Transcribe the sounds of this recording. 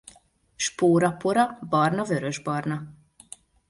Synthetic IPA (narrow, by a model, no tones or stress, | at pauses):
ʃpoːɾɒpoɾɒbɒrnɒvø̞ɾø̞ʒbɒrnɒ